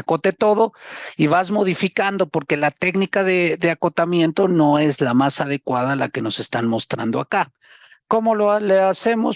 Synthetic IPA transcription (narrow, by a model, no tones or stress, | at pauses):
ako̞t̪e̞t̪o̞ðo̞iβazmo̞ðifikand̪o̞po̞ɾke̞lat̪e̞knikaðe̞ðe̞ako̞t̪amje̞nt̪o̞no̞e̞zlamasað̞e̞kwaðala̰ke̞no̞se̞st̪anmo̞st̪ɾa̰nd̪o̞a̰ka | ko̞mo̞lolease̞mo̞s